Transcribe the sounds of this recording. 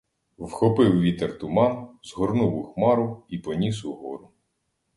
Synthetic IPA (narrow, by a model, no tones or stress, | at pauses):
wxɔpɪwʋʲit̪ert̪ʊmɑnzɦɔrnuwʊxmɑɾʊipɔnʲisʊɦɔɾʊ